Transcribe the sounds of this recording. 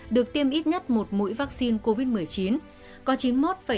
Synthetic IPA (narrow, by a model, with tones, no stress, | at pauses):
ɗɨ˨˩ək̚t̪i˧əmʔi˦˥t̚ɲə˦˥t̚mo˨˩t̚mṵ˧˥jvaː˦˥k̚si˧nko˧vi˦˥t̚mɨ˨˩əjt͡ɕi˨˦n | kɔ˨˦t͡ɕi˨˦nmo˦˥t̚faː˧˩